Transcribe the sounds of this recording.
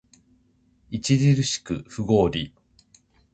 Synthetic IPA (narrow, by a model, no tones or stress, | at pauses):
it͡ɕiɾʲiɾɯ̟ɕi̥kɯɸɯ̟ɡo̞ːɾʲi